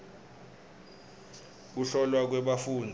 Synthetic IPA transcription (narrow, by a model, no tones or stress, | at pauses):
k̬uɬɔlwak̬wɛɓafuːndʱ